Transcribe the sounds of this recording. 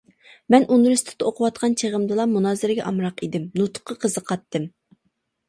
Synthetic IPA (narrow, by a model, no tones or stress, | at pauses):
mɛnʔunɾɨst̪ʰɪ̥t̪ɨoqʰʊwɑt̪qʰɑnt͡ʃʰeʁəmd̪ɨlˠɑmunɑːzɨɾɪɡʲɛ̰ʔɑmɾɑqid̪ɪmnut̪ʰʊ̥qʰːɑqʰəzəqʰɑt̪ːɨm